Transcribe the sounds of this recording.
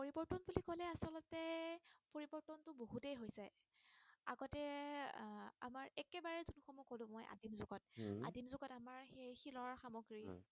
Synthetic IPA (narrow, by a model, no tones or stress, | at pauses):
poɹibɔɹtɔnbulikɔlɛasɔlɔtɛpoɹibɔɹtɔntʊboɦutejɦojzaj | a̰ɡɔtɛ | a̰maɹɛkɛbaɹɛzunxɔmukolʊ̃mojʔa̰dinzʊɡɔt̚a̰dinzʊɡɔtamaɹxejxilɔɹxamɔɡɹi